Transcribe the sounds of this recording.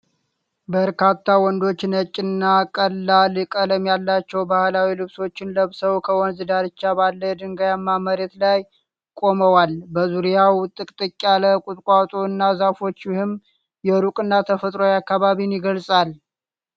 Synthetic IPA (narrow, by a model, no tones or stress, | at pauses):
bəɾkat̪ʰːawɔnd̪o̞t͡ʃːnət͡ʃʼːɪnːakʼəlːalɨkʼələmjalːat͡ʃːɛwbahlawilɨβso̞t͡ʃːɪnləβsəwkʰəwɔnzɨd̪aɾɨt͡ʃːabalːəd̪ɨŋɡajamːaməɾɛt̪laj | kʼo̞məwalbəzuɾijawt̪ʼɨkʼt̪ʼɨkʼːaləkʼut̪ʼkʷʼat̪ʼoɨnːazafo̞t͡ʃːɪhɨm | jɛɾukʼɨnːat̪ʰəfət̪ʼɾo̞jakːaβaβinjɪɡəlsʼal